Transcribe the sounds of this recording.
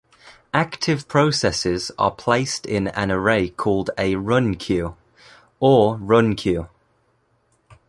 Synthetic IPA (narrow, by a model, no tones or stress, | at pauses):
ʔaktʰɪv̥pʰɹ̥əʊsɛsɪz̥ə̰pʰl̥eɪstʰɪ̃nə̰̃nəɹeɪkʰɔːlˠdəɹʊ̃nkʰj̥ʉː | əɹʊ̃nkʰj̥ʉː